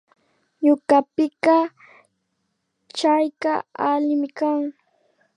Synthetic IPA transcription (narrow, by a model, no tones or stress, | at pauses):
ɲʊkapɪka | t͡ʃajkaalɪmɪkaŋ